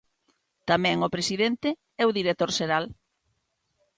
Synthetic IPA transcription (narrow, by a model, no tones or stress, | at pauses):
t̪amɛ̃ŋʊpɾesiðent̪ɪ | ɛʊðiɾet̪oɾʃeɾal